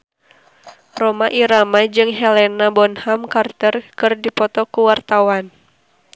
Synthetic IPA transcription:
rɔmaʔiɾamad͡ʒɨŋɦɛlɛnabɔnhamkart̪ərkɨrdipɔt̪ɔkuwart̪awan

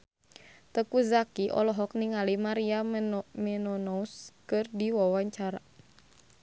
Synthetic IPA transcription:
t̪əkuzakiʔɔ̰lɔɦɔk̚niŋalimaɾiamɛnɔnɔuskɨrdiwawaɲt͡ʃaɾa̰

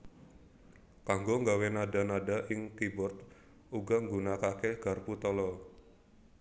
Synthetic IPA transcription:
kaŋɡoŋɡawenada̤nadaʔɪŋkibʊrt̪ | uɡaŋɡunakakeɡ̥a̤rput̪ɔlɔ

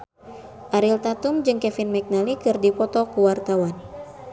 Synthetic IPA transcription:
ʔaɾilt̪at̪umd͡ʒɨŋkɛfinmɛk̚nalikɨrdipɔt̪ɔkuwart̪awan

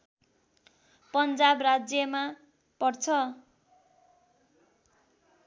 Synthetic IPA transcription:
pʌnd͡zabrad͡zjʌma | pʌrt͡sʰʌ

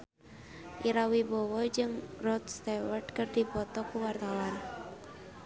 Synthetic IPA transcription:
ʔiɾawibɔwɔd͡ʒɨŋrɔt̪st̪ewərdkərdipɔt̪ɔkuwart̪awan

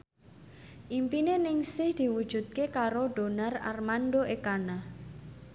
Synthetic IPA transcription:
ʔimpinenɪŋsɪhd̪̥i̤wud̥ʒ̥ṳt̪̚kekaɾoɖ̥o̤nara̰rmanɖoʔekana

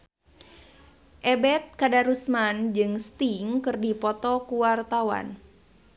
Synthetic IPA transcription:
ʔɛbɛt̪̚kadaɾusmand͡ʒɨŋst̪iŋkɨrdipɔt̪ɔkuwart̪awa̰n

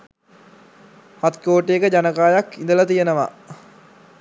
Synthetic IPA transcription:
hat̪koːʈejekəd͡ʑanəkaːjakind̪əlat̪ijenəʋa̰

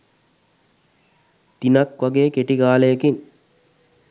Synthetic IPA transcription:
t̪inɐkʋaɡeːkeʈiɡaːlejekiŋ

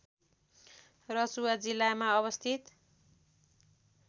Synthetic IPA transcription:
rʌsuwad͡zilːamaʌβʌst̪ʰit̪

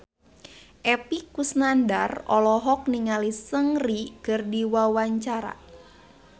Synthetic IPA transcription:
ʔɛpikusnandarɔlɔɦɔk̚niŋalisəŋriɡ̥ərdiwawaɲt͡ʃaɾa̰

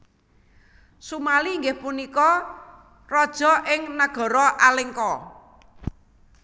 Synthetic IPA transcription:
sumaliːŋɡɪhpunikɔ | rɔd̥ʒ̥ɔ̤ʔɪŋnaɡ̥ɔ̤ɾɔʔalɪŋkɔ

